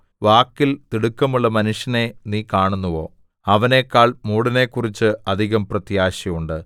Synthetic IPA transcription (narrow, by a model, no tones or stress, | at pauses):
ʋaːkːilt̪iɽukːɐmuɭːɐmɐnuʂjɐne̞niːkaːɳunːuʋo̞̰ː | ɐʋɐne̞kːaːɭmuːɽine̞ːkːurit͡ɕːɨɐd̪ʱiɣɐmprɐt̪jaːɕɐmuɳɖɨ